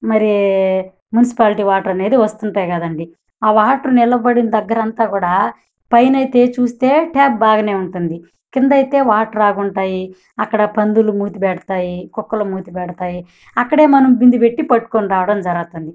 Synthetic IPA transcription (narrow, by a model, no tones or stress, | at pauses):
mɐɾie | munis̬i̥paːliʈiːʋaːʈɾɐne̞ːd̪iʋɐst̪uɳʈaːjɡɐd̪ɐɳɖi | aːʋaːʈɾunilɐbɐɽinɐd̪ɐɡːɐɾɐnt̪aːkuːɽaː | pɐjnɐjt̪e̞ːt͡ʃuːst̪e̞ːʈʰaːp̚baːɡɐne̞ːuɳʈund̪i | kind̪ɐjt̪e̞ːʋaːʈɾaːɡuɳʈaːji | ɐkːɐɽɐpɐnd̪ulumuːt̪ipɛɽɐt̪aːjikɔkːɐlumuːt̪ipɛɽɐt̪aːji | ɐkːɐɽe̞ːmɐnɐmbind̪upeʈːipɐʈːu̥koniɾaːʋɐɽɐmd͡ʒɐɾɐɡɐt̪und̪i